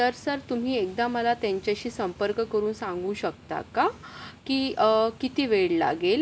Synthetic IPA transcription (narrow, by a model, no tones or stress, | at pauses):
t̪əɾsəɾt̪um̤iːek̚d̪aməlat̪jaɲt͡ɕjaɕiːsəmpəɾkkəɾuːnsãŋɡuːɕəkt̪a̰kakiːkit̪iːʋeɭla̰ɡel